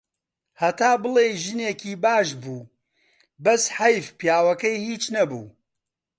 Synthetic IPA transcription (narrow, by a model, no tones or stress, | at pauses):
hɐt̪aːbɨleːʒɨneːkiːbaːʃbuː | bɐsħɐjfpjaːwɐkɐjhiːt͡ʃnɐbṵː